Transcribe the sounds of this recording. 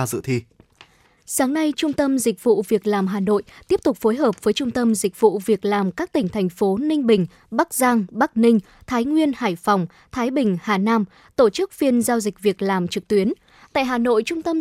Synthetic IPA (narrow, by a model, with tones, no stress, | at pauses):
zɨ̰˧˨t̪ʰi˧ | saː˨˦ŋna˧jt͡ɕʊ˧ŋ͡mt̪ə˧mzï˨˩k̟̚vṵ˧˨vi˨˩ək̚laː˨˩mɦaː˨˩no̰˧˨jt̪i˦˥əp̚t̪ʊ˨˩k͡p̚fo˨˦jɦəː˨˩p̚vəː˨˦jt͡ɕʊ˧ŋ͡mt̪ə˧mzï˨˩k̚vṵ˧˨vi˨˩ək̚laː˨˩mkaː˦˥k̚t̪ï˧˩ŋ̟t̪ʰɛ˨˩jŋ̟fo˨˦nï˧ŋ̟ɓï˨˩ŋ̟ | ɓa˦˥k̚zaː˧ŋɓa˦˥k̚nï˧ŋ̟ | t̪ʰaː˨˦jŋwi˧ənhaː˧˩jfɔ˨˩wŋ͡m | t̪ʰaː˨˦jɓï˨˩ŋ̟haː˨˩naː˧m | t̪o˧˩t͡ɕɨ˦˥k̚fi˧ənzaː˧wzï˨˩k̟̚vi˨˩ək̚laː˨˩mt͡ɕɨ˨˩k̚t̪wi˨˦ən | t̪a̰ː˧˨jɦaː˨˩no̰˧˨jt͡ɕʊ˧ŋ͡mt̪ə˧m